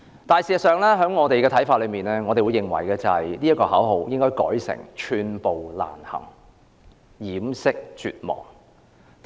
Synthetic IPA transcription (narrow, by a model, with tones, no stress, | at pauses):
t̪aː˨˩jsiː˨˩sɐ˨tsœː˨˧ŋlɛː˥ɦœː˨˥ŋɔː˨˧t̪e˨jkɛː˧t̪ʰɐ˨˥jfaː˧t̚lɵ˨˧ɥmiː˨˩nlɛː˥ŋɔː˨˧t̪e˨jwu˨˧jɪ˨ŋwɐ̰˨˩jkɛː˧t͡sɐ˨hɐ˨jliː˥ɐ˥tkɔː˧hɐː˨˥wɦo˨˧wjɪ˥ŋkɔː˥jkɔ̰ː˨˥jsɪ̰˨˩ŋt͡ʃʰyː˧npo˨wla̰ː˨˩nhɐ̰˨˩ŋ | jiː˨˥msɪ˥k̚t͡ʃy̰ː˨t̚mɔ̰ː˨˩ŋ